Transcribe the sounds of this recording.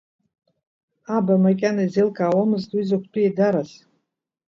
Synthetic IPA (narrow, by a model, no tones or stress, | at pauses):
abamakʲʼanaizelkʼaːwamɨztʼwizakʷʰtʼujedaɾaz